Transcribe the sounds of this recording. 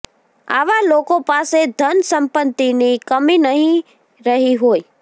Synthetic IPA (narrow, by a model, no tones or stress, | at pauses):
a̰ʋalokõpased̪ʱənsə̃mpət̪ːinikəminəɦĩ | ɾəɦiɦoːi